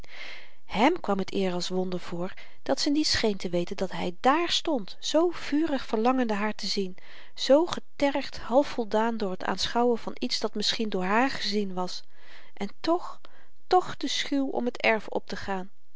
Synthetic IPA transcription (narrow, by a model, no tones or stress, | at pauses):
hɛmkʋɑmɦətɪːɹɑlˠsʋɔndəɹv̥ʊːɹ | d̥ɑtsənitsχejntəʋejtəndɑtɦɛjdaːɹstɔntz̥owv̥yːrəχfəɹlɑŋəndəɦaːɹtəzin | z̥owχətɛɹχthɑlˠfɔlˠdaːndʊːɹɦətʰa̰ːnsχɑwənvɑnitsd̥ɑtmɪsχindʊːɹɦaːɹχəzinʋɑs | ʔɛntɔχ | tɔχd̥əsχywɔ̰mɦətɛɹfɔ̰p̚təχaːn